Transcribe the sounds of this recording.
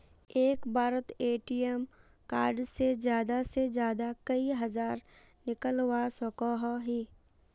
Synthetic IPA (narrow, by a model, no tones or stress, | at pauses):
eːkbʱaːɾət̪eːʈiəm | kaːɾɖsezjaːd̪ased͡ʒjaːd̪akɐiɦɐzaːɾ | nɪkəlwasɔkɔɦɦiː